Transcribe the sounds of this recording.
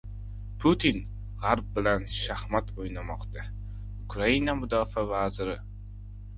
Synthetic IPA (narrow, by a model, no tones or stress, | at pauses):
pʰʊt̪ʰin | ʁaɾb̚bɪlanʃahmat̪ojnamɒqt̪a | ʊkʰɾainamʊd̪ɒfavazɪɾɪ